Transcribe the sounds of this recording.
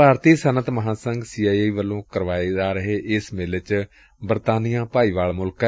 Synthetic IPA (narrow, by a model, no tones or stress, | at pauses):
aːɾt̪iːsənət̪məɦãːsəŋɡsiːaːieiːʋəlõːkəɾʋaːid̪aːɾəɦeːʔɪsmɪlt͡ʃ | bəɾt̪aːnijãːpaːiːʋaːlmʊlkɛ